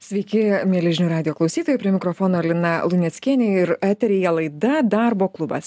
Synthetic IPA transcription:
sʲʋʲɛɪkʲɪmʲiɛlʲɛʒʲɪnʲuːɾɑːd̪ʲɪjoːklˠɐʊsʲiːt̪oːjɛpʲɾʲiɛmʲɪkɾoːfoːnoːɐlʲɪnɐlˠʊnʲɛt̪sʲkʲiːnʲeːɪɾæːt̪ʲɛɾʲejɛlˠɐɪd̪ɐd̪ɑːɾboːklˠʊbɐ̰s

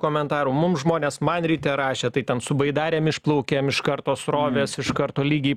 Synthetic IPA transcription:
koːmʲɛnt̪ɑːɾuːmʊmsʒmoːnʲeːsmɐnɾʲiːt̪ʲɛɾɑːʃʲeːt̪ɐɪt̪ʲɛnsʊbɐɪd̪ɑːɾʲeːmɪʃplˠɐʊkʲeːmɪʃkɐrt̪oːsɾoːʋʲeːsɪʃkɐrt̪oːlʲiːɡʲiː

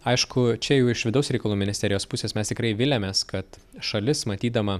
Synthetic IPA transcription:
ɐɪʃkʰʊt͡ʃʲɛjɛʊɪʃʋʲɪd̪ɐʊsɾʲɛɪkɐlˠuːmʲɪnʲɪsʲt̪ʲɛɾʲɪjoːspʊsʲeːsmʲɛst̪ʲɪkɾɐɪʋʲɪlʲɛmʲeːskɐt̪ | ʃɐlʲɪsmɐt̪ʲiːd̪ɐmɐ

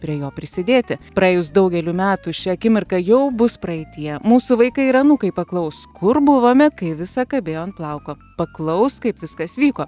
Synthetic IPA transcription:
pʲɾʲiɛjoːpʲɾʲɪsʲɪd̪ʲeːt̪ʲɪpɾɐeːjʊsd̪ɐʊɡʲɛlʲʊmʲæːt̪uʃʲɛɐkʲɪmʲɪrkɐjɛʊbʊspɾɐɛɪt̪ʲɪjɛmuːsʊʋɐɪkɐɪiɾɐnuːkɐɪpɐklˠɐʊskʰʊɾbʊʋoːmʲɛkɐɪʋʲɪsɐkɐbʲeːjoːɐnt̪̚plˠɐʊkoː | pɐklˠɐʊskɐɪpʋʲɪskɐsʋʲiːkoː

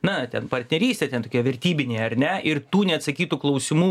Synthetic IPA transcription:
nɐtʲɛnpɐrʲt̪ʲnʲɛɾʲiːsʲtʲɛtʲɛnt̪oːkʲiːɛʋʲɛɾʲt̪ʲiːbʲɪnʲeːjɛɐɾʲnʲɛʔɪrt̪uːnʲɛɐt̪sɐkʲiːt̪uklˠɐʊsʲɪmuː

